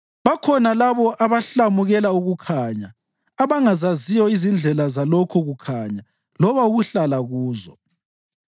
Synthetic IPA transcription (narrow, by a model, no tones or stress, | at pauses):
βakʰɔnalaβɔʔaβaɬamuɣɛlauɣukʰaɲaː | βaŋazazijɔizind͡ɮʱɛlazalokʰɔɣukʰaɲa | lɔβauɣuɬalaɣuːzɔ